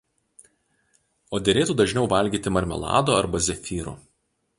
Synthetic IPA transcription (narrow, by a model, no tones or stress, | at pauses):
oːd̪ʲɛɾʲeːt̪uːd̪ɐʒʲnʲɛʊʋɐlʲɡʲiːt̪ʲɪmɐɾʲmʲɛ̰lˠɑ̰ːd̪oːɐɾbɐzʲɛfʲiːɾṵː